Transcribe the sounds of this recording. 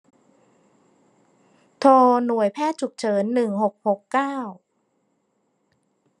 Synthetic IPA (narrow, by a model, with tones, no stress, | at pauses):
t̪ʰoː˧nu˨˩əjpʰɛː˥˩t̪̚t͡ɕʰu˨˩k̚t͡ɕʰɤː˩˦nːɯ˨˩ŋho˨˩k̚ho˨˩kːaː˥˩w